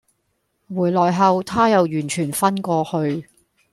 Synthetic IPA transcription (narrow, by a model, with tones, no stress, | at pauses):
wuː˨˩jlɔː˨jɦɐ˨˧wt̪ʰaː˥jɐ˨wjyː˨˩nt͡ʃʰyː˨˩nfɐ˥nkʷɔː˧hɵ˧ɥ